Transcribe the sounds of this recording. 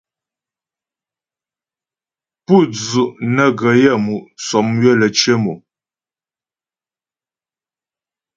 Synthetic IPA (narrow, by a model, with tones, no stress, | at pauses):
pu˦˨d͡zu˨ʔnə˦ɡə˨jə˦˨mu˨ʔsɔ˨mɥə˦˨lə˨t͡ʃje˦mu˨